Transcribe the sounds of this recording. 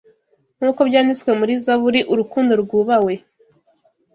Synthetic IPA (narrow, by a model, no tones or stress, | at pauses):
ŋ̥uːko̞bɟaːniswe̞muɾizaβuɾiʔuɾukuːndo̞ɾɡuːβawe̞